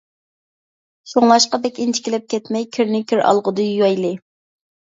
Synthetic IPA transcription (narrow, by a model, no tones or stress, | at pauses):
ʃoŋlˠɑʃqɑbɛkʲint͡ʃʰi̥kʲilɪp̚kʲʰɛt̪mɛjkʲʰyɾnɪkʲʰyɾɑ̰lˠʁʊd̪ɨjjɑjlˠɨ